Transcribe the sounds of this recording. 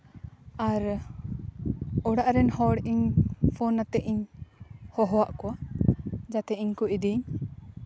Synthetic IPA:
aɾ | ɔɽaʔɾɛnhɔɽiɲpʰɔnːat̪ɛʔiɲ | hɔɦɔwaʔkɔwa | d͡ʒat̪ɛiɲkɔid̪iɲ

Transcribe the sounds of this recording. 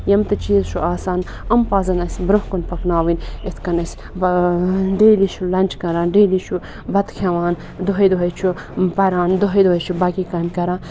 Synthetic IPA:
jɐmt̪ɨt͡ʃiːzʃʰuʔaːsaːn | ɐmpaːzɐnɐsʲbɾuɦkunpɐknaːʋinet̪ʰkɐnɐsʲ | bɐɖeːlit͡ʃʰulɐnʲt͡ʃkɐɾãːnɖeːlit͡ʃʰu | bɐt̪kʰeʋaːn | d̪oɦɐjd̪oɦɐt͡ʃʰu | pɐɾaːnd̪oɦɐjd̪oɦɐjt͡ʃʰubɐkiːkaːmkɐɾãː

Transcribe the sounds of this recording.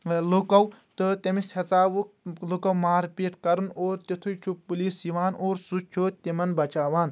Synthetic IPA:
lokɐwt̪ɨt̪ɐmisʰɐt͡saːʋuklokɐwmaːɾipeːʈkɐɾunoːɾt̪it̪ʰujt͡ʃʰupuliːsiʋaːnoːɾsut͡ʃʰoːt̪imɐnbɐt͡ʃaːʋaːn

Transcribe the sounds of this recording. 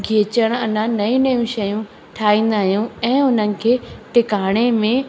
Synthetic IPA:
ɡʱiːt͡ɕəɽ̃ɐnanɐĩnɐjũʃɐjũ | ʈʰaːĩːn̆d̪aːɦijũɛ̃ːʊn̤ənɪ̆kʰeːʈɪkaːɽ̃emẽ

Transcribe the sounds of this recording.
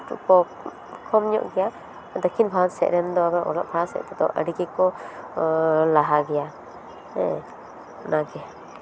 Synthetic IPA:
ṵkɔ | kʰɔmɲɔ̰ʔɡɛja | d̪əkʰinbʱansɛ̰ʔɾɛnd̪ɔabɛʔɔ̰lɔ̰ʔ̚bʰʱasɛ̰ʔ̚t̪ɛd̪ɔaʔəɖiɡikɔ | laɦaɡɛja | ɛ | naɡɛ

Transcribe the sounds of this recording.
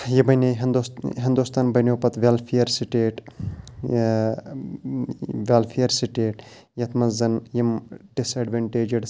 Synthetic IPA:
jibɐjneɦnd̪uɦind̪ust̪aːnbɐjnʲoːpɐt̪ʋelfʰijɐɾsiʈeːʈ | ʋeːlfʰijɐɾsiʈeːʈ | jɐt̪ʰmɐzɐnjɐmɖisɐːɖʋeɳʈeːd͡ʒɐɽ

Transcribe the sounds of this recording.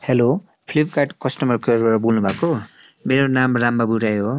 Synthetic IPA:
helo | pʰlib̚ʱkaʈkʌsʈʌmʌɾkʰʌɾbʌɾʌbulnubʱako | meɾonamramːabuɾajɦo

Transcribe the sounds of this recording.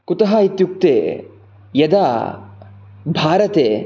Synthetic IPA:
kut̪ɐɦɐit̪juk̚t̪eː | jɐd̪aː | bʱaːɾɐt̪eː

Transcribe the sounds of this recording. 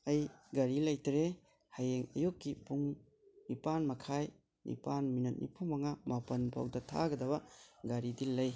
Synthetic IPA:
ɐjɡaɾilɐjtɾe | hajeŋɐ̰jukːipuŋ | nipanmɐkʰaj | nḭpanminɐt̚nḭpʰumɐŋamapɐnpʰa̰w̚dɐtʰa̰ɡɐdɐbɐɡaɾidilɐj

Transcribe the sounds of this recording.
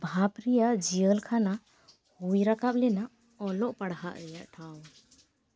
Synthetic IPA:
bʱapɾijaʔd͡ʒiəlkʰana | hujɾakap̚lɛna | ɔlɔʔpaɽɦa̰ʔɾɛjaʔʈʰaw

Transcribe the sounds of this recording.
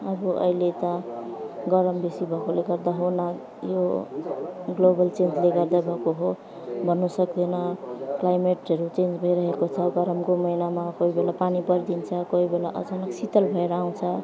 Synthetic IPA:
ʌbuʔʌ̰ilet̪ʌ | ɡʌɾʌmbesibʱʌkoleɡʌɾd̪aɦonʌ | jo | ɡlobʌlt͡send͡zleɡʌɾd̪abʱʌkoɦo | bʱʌnːusʌkd̪enʌklajmeʈʌɾut͡send͡zbʱʌiɾʌɦekot͡sʰʌɡʌɾʌmkomʌinamakoɦibelapanipʌɾd̪int͡sʰʌkoibelaʔʌ̰d͡zʌnʌksit̪ʌlbʱʌeɾaaw̃t͡sʰʌ

